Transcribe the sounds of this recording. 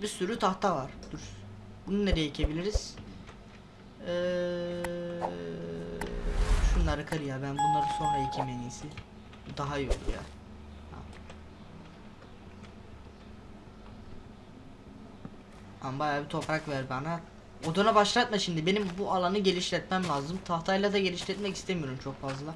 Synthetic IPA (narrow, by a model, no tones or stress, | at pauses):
bisyɾyt̪ʰaht̪ʰavaɾ̥d̪̥uɾ | bununed̪ejecʰe̞bilʲiɾiz̥ | ɛː | ʃunlˠaɾakʰaɾɯjabænbunlˠaɾɯnso̞nɾaicʰimeniːsi | d̪aɦajo̰l̰ˠja̰ː | ha̰ | ambajaːbit̪ʰo̞pɾakvæɾbana | od̪unabaʃlˠat̪̚maʃimd̪ibe̞nimbuʔalˠanɯɟe̞lʲiʃlʲɛt̪mɛmlʲaːzɯmt̪ʰaht̪ʰajlˠad̪aɟe̞lʲiʃlʲɛt̪mɛcist̪ʰemijo̞ɾumt͡ʃʰo̞kfazlˠa